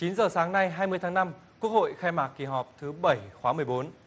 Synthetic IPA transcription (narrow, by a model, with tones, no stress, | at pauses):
t͡ɕi˨˦nzəː˨˩saː˨˦ŋna˧jɦaː˧jmɨ˧əjt̪ʰaː˨˦ŋna˧mku˦˥ək̚ho̰˧˨jxaː˧jmaː˨˩k̚ki˨˩ɦɔ˨˩p̚t̪ʰɨ˨˦ɓə˧˩jxwaː˨˦mɨ˨˩əjɓo˨˦n